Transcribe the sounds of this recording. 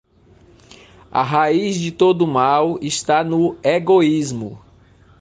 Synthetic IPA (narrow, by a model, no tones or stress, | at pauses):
ɐ̰ɦaizd͡ʒɪt̪od̪ʊmawist̪anʊeɡoizmʊ